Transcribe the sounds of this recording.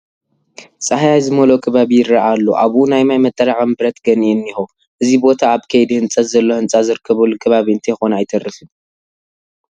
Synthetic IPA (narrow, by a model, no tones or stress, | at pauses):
t͡sʼɨhajajzɨmɐlokʰɐβaβijɪɾaʔalːoʔaβʔunajmajmɐt̪ʼːɐɾaʕɐmbɨɾɐt̪ɡɐninːixu | ʔɨzibo̞t̪ʰaːβkʰɐjd̪ihɨnt͡sʼɐt̪zɐlːo̞hɨnt͡sʼazɨɾɨkʰːɐβɐlːukʰɐβaβiɨnt̪ʰexonajt̪ʰɐɾːɨfɨn